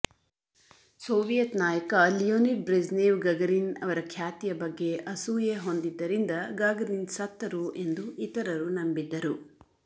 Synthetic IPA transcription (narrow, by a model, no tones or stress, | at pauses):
soːʋijɐt̪naːjɐkɐlijoːniʈ̚bɾezneːʋɡɐɡɐɾinɐ̰ʋɐɾɐkʰjaːt̪ijɐbɐɡːe̞ʔɐsuːjeɦo̞nd̪id̪ːɐɾind̪ɐɡaːɡɐɾinsɐt̪ːɐɾue̞nd̪uit̪ɐɾɐɾunɐmbid̪ːɐɾu